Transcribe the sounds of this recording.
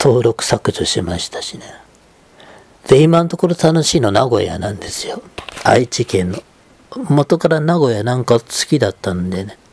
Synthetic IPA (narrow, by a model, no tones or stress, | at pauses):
t̪ʰo̞ːɾo̞kɯ̟̥sakɯ̟ʑoɕimaɕi̥t̪ḁɕine | d̪̥e̞imanot̪o̞ko̞ɾot̪ano̞ɕiːno̞naɡo̞̰ja̰nãnd̪e̞sɨ̥joait͡ɕikẽ̞nːo̞ | mo̞t̪o̞kaɾanaɡo̞janãŋkasɨ̥kʲid̪at̪ːanod̪e̞ne